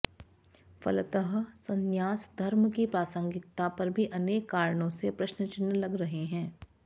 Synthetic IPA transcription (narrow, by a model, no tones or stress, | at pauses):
fɐ̰lt̪əɦsɐ̃njaːsd̪ʱɐɾmkipɾaːsə̃ŋɡɪt̪ːapɐɾbʱiʔɐneːkːaːɾɽõsepɾɐʃnət͡ʃɪnːlɐɡɾɐɦeɦɛ̃ː